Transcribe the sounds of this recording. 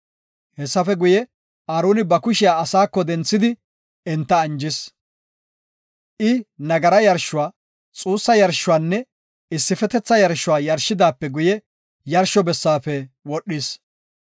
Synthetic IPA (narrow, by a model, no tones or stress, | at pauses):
hɛsːɐfɛɡʊjɛ | aːɾuːnɪbɐkʊʃɪjaːɐsaːkːɔd̪ɛnt͡sːɪd̪ɪ | ɛnt̪ːɐːnd͡ʒɪs | ʔɪnɐɡɐɾɐjɐɾʃːʊwaː | t͡sʼuːsːɐjɐɾʃːʊwaːnːɛ | ɪsːɪfɛt̪ɛt͡sːɐjɐɾʃʊwaːjɐɾʃɪd̪aːpːɛɡʊjɛ | jɐɾʃɔbɛsːaːfɛwɔɗːɪs